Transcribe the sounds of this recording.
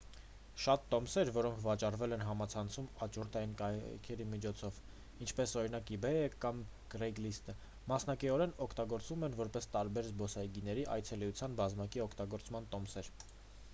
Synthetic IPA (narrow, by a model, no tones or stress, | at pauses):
ʃɑt̪ːɔmsɛɾvɔɾɔŋkʰvɑt͡ʃɑrvɛlɛnɦɑmɑt͡sʰɑnt͡sʰumɑt͡ʃuɾt̪ɑjinkɑkʰɛɾimit͡ʃʰɔt͡sʰɔv | int͡ʃʰpɛsɔɾin̪ɑkibɛjəkɑm | krɛjɡlist̪ə | mɑsnɑkiɔɾɛnɔkʰt̪ɑɡɔɾt͡svumɛnvɔɾpɛst̪ɑɾbɛɾzbɔsɑjɡinɛɾiʔɑ̰jt͡sʰɛliut͡sʰjɑnbɑzmɑkiɔkʰt̪ɑɡɔɾt͡smɑnt̪ɔmsɛɾ